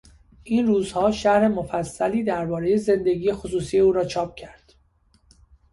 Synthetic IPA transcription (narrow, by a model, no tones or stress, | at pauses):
ʔiːnruːzhɒːʃæhɾe̞mo̞fæsːæliːd̪æɾbɒːɾe̞je̞ze̞nd̪e̞ɡiːje̞xosuːsiːje̞uːɾɒːt͡ʃʰɒːp̚ʰcʰæɾd̪̥